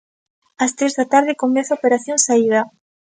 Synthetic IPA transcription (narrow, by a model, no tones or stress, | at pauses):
ast̪ɾezðat̪aɾðɪkomɛθaopeɾaθjoŋsaið̞ɐ